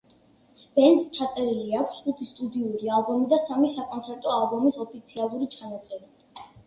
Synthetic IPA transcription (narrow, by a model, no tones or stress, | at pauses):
b̥ɛnd̪st͡ʃʰat̪sʼɛɾiliakʰsχut̪ʰist̪ʼud̪iuɾialˠbɔmid̪asamisakʼɔnt̪ʰɛɾt̪ʼɔalˠbɔmisɔpʰit̪sʰialˠuɾit͡ʃʰanat̪sʼɛɾi